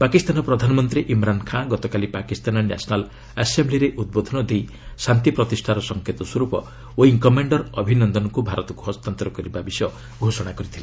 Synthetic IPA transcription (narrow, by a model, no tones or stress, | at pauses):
pakist̪anɔpɾɔd̪ʱanɔmɔnt̪ɾiʔimɾankʰãɡɔt̪ɔkalipakist̪anɔna̰sɔnal | asembliɾeʔud̪̚bod̪ʱɔnɔd̪ej | sant̪ipɾɔt̪isʈʰaɾɔsɔŋkʰet̪ɔswɔɾupɔ̰ | oiŋkɔmaɳɖɔɾɔbʱinɔnd̪ɔnɔkubʱaɾɔt̪ɔkuɦɔst̪ant̪ɾɔkɔɾibabisɔ | ɡʱosɔɽ̃akɔɾit̪ʰila